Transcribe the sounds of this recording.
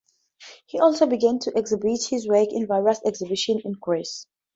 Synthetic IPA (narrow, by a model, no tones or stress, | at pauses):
hiʔɔlˠsobiɡæ̃ntʰuʔɛkzibithizwɛkɪ̃nvaɪɹəsɛksɪbiʃə̃nɪ̃nɡʰɛs